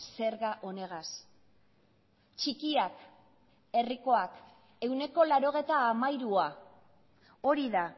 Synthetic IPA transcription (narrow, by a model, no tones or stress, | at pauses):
se̞ɾɣaʔo̞ne̞ɣ̞as | t͡ʃikiak | e̞riko̞ak | e̞wne̞ko̞laɾo̞ɣ̞e̞t̪aːmajɾua | o̞ɾiða